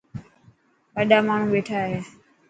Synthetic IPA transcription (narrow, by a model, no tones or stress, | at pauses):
ʋəɗaːmaːɳ̤ũːɓeːʈʰaɦeː